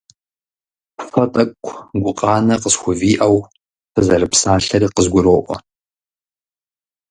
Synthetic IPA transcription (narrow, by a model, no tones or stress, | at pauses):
fɐtʼɐkʷʰɡʷʊqʼɑːnɐqəsxʷʊviːʔɐw | fʰɨzɐɾɨpsaːɬɐɾiːqəzɡʷʊɾoːʔʷɔ̰